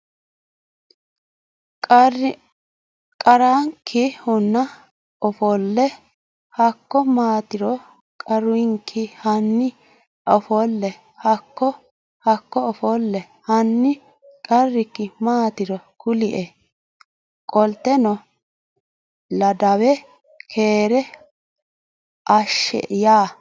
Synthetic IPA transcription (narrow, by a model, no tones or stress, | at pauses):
kʼɐɾaŋkʰːɪhʊnːɐ | ɔfɔlːɛ | hɐkːɔmaːt̪ɪɾɔ | kʼɐɾʊɪŋkʰɪhɐnːɪ | ɔfɔlːɛ | hɐkːɔ | hɐkːɔɔfɔlːɛ | hɐnːɪ | kʼɐrːɪkːɪmaːt̪ɪɾɔkʊlɪʔɛ | kʼɔlt̪ːɛnɔ | lɐd̪ɐwɛ | kʰeːɾɛ | ʔɐʃɛ̰jaː